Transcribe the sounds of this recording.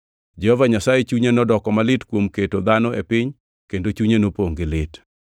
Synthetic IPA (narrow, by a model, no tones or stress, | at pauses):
d͡ʒɛhɔvaɲasajet͡ʃuɲenɔdɔkɔmalɪtkwomketod̪anɔepɪɲ | kendot͡ʃuɲenopoŋɡɪlɪt